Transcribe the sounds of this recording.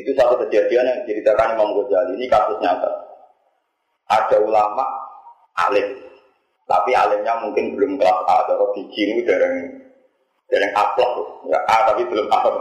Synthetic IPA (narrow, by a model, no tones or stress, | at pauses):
it̪usat̪usəd̪iad̪ianat͡ʃiɾit̪akanimamkəd͡ʒ̥aliːnikasʊsɲat̪a̰ | ʔad̥a̤ulamaʔ | a̰lɪt | t̪a̰pia̰lɪh̚ɲamuŋkɪnbəlʊmkəlasʔa̰d̪ɔɾɔd̪̥i̤̥d͡ʒinwid̥aɾɪŋ | d̥a̤ɾɪŋʔaplɔhʊja̰ʔat̪apib̥əlʊmʔapɔ